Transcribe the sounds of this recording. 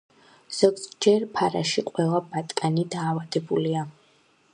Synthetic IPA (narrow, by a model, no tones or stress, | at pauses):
z̥ɔɡzd͡ʒɛɾpʰaɾa̰ʃiqʼwɛlˠabat̪ʼkʼanid̪aːvad̪ɛbulia